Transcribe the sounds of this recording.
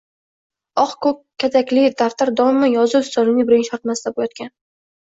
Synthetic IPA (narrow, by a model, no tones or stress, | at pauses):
ɒχkʰɵp̚kʲʰːat̪ʰakʲlɪd̪aft̪ʰaɾd̪ɒɪmajɒzɨʊst̪ɒnɪnɪbɪɾɪnʃɒɾt̪mast̪abojɒt̪̚kʲan